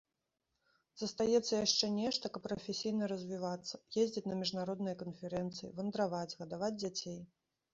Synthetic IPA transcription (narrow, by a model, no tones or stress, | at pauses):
z̥ɐst̪ajɛt̪sːɐjaʂt͡ʂɛnʲɛʂt̪ɐkɐppːɾɐfʲesʲijnɐɾɐzʲvʲivat̪sːɐ̥jezʲd͡zʲit͡sʲnɐmʲiʐnaɾɔd̪nɨjɐkɐnfʲɛɾɛnt̪sɨjḭvɐnd̪ɾavad͡zʲɣɐd̪avad͡zʲd͡zʲat͡sʲej